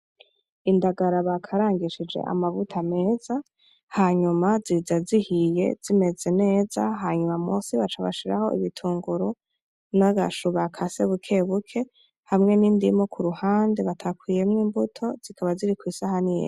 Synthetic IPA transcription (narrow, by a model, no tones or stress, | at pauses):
indaɡaɾaβakʰaɾaːŋɡiʃid͡ʒe̞̰ʔa̰mavutʰame̞z̥a | haɲumazizazihije̞̰z̥ime̞ze̞ne̞ːzaɦaɲumamosiβat͡ʃaβa̰ʃiɾa̰ho̞̰ʔḭβitʰuːŋɡuɾu | naɡa̰ʃuβakʰase̞βukʰe̞βukʰe̞ | hamŋe̞niːndimokʰuɾuhaːndeβatʰakwije̞mŋiːmbutʰo̞z̥ikʰaβaziɾikwisahanijḛ